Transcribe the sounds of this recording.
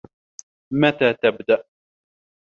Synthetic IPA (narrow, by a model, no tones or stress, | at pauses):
mat̪aːt̪abd̪aʔ